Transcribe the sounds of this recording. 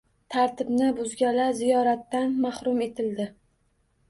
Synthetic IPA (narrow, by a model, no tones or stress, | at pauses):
t̪ʰaɾt̪ʰɪbnɪbʊzɡʲalaɾzijɒɾat̪ːanmahɾʊme̞t̪ʰɪld̪ɪ